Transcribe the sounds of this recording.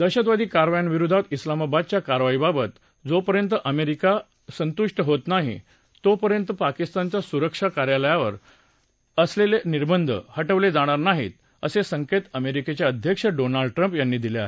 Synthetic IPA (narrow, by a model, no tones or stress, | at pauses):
d̪əɕət̪ʋad̪ʱiːkaɾʋajanʋiɾud̪ʱad̪islamabad̪̚t͡ɕjakaɾʋaibabət̪ | d͡zopəɾjənt̪əʔəmeɾika | sənt̪uʂʈəɦot̪naɦḭ | t̪opəɾjənt̪əpakist̪ant͡ɕjasuɾəkʂakaɾjaləjaʋəɾ | əsleleniɾbənd̪ʱə̰həʈəʋled͡zaɽ̃aɾnaɦit̪ | əsesəŋket̪əmeɾiket͡ɕjaəd̪ʱjəkʂəɖonaɭɖ̚ʈɾəmpjanːiːd̪ilea̰ɦe